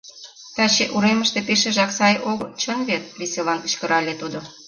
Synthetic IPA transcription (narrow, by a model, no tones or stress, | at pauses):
t̪ɑt͡ɕeʔuɾeməʃt̪epeʃeʒɑksɑjoɡt͡ɕənβet̪̚βeselɑniʃkə̆ɾɑlʲet̪ud̪o